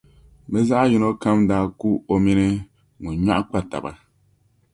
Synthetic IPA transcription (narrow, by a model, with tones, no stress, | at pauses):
bɛ˦za˦ʔju˦no˦ka˦mdaː˦ku˦o˦mi˦nɨ˦ | ŋu˨ɲa˦ʔk͡pa˨ta̰˨ba̰˨